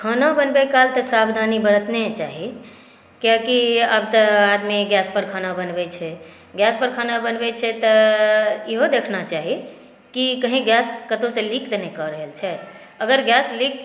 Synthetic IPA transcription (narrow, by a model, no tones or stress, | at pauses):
kʰənabənbɛkalt̪əsabd̪ʱanibəɾət̪net͡ʃaɦi | kjakiəbt̪əad̪miɡjaspəɾkʰanabənbɛt͡ʃʰɛ | ɡjaspəɾkʰanabənbɛt͡ʃʰɛt̪ɔ | iɦod̪ekʰnat͡ʃaɦi | kikəɦĩɡjaskət̪õsẽlikd̪enekɔɾəɦəlt͡ʃʰɛ | əɡəɾɡjaslik̚